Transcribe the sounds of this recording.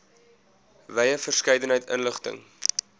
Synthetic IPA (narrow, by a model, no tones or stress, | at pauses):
vɛjəfərskɛjdənɦəjtə̰nləχtə̰ŋ